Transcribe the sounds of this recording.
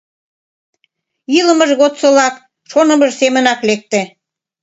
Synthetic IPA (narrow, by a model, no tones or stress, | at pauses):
ilə̆məʒɣot̪səlɑk | ʃonə̆məʒsemənɑklek̚t̪e